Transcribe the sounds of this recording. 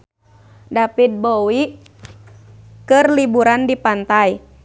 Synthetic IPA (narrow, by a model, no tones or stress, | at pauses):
dapit̪̚bowi | kɨrlibuɾandipant̪aj